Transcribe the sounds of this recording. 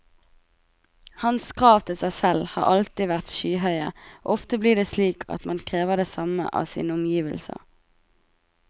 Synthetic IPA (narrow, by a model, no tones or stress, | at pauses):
hɑnskʰʁɑːʋt̪ʰɪsæɪsɛlhɑ̰ːʁʔɑlt̪ɪʋæʁt̪ʃyːɦœʏə̰oːɔft̪əbliːd̪eːsliːkʰɑ̰t̪mɑnkʰʁeːʋəʁd̪eːsɑmə̰ʔɑ̰ːsḭːnəʊmjiːʋə̰lsə̰